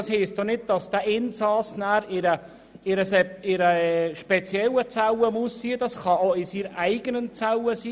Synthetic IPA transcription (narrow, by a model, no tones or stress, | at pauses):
ɑshiːsd̥onɪd̚d̥ɑsd̥̪æʔɪnsɑsnæːɾɪɾə | ɪɾəsɛɪɾəʃpɛt͡sjɛwət͡sæwəmusːiːəd̥ɑsχɑoɪsiɾæɪɡ̥ənənt͡sawəsiː